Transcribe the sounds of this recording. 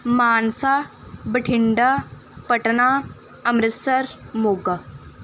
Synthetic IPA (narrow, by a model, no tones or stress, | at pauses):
maːnsa | bəʈʰɪɳɖa | pɐʈna | ɐmɾɪsɐɾmoːɡa